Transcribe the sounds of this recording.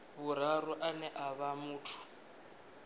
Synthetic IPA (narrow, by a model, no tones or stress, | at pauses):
βuɾ̤aɾuʔanɛʔaβamuːtʰu̥